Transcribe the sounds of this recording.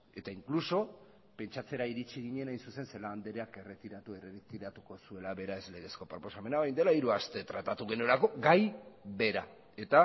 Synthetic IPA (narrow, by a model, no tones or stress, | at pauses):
e̞t̪aiŋkluso̞ | pe̞nt͡ʃat͡se̞ɾaiɾit͡ʃiɣiɲe̞najnsuse̞nse̞laːnd̪eɾe̞ake̞re̞t̪iɾat̪ueret̪iɾat̪uko̞sue̞laβe̞ɾae̞zle̞ɣe̞sko̞pɾo̞po̞same̞naβajnd̪e̞laiɾuast̪e̞t̪ɾat̪at̪uɣe̞nuelako̞ɡajβe̞ɾa | e̞t̪a